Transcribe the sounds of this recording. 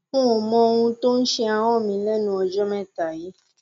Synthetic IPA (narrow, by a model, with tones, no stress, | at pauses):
ũ˦ɔ˨mɔ̃˧ŋ̃ũ˧t̪o˦n̩˦ʃi˧a˨w̃ɔ̃˦˨mĩ˨lɛ˦nũ˧ɔ˨d͡ʒɔ˦mɛ̃˦t̪a˨ji˦